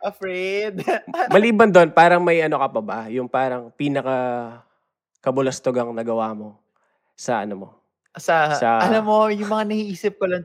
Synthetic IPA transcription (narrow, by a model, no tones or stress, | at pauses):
ʔɐfɾɛjd̪mɐliːbɐnd̪onpaːɾɐŋmɐjʔɐno̞kɐpɐbajʊŋpaːɾɐŋpinɐkɐ | kɐbʊlɐst̪oɡɐŋnɐɡɐwaːmo̞ | sɐʔɐ̰nomo̞ | sɐsɐɐlamːojʊŋmɐŋanɐhiʔiːsɪp̚kolɐn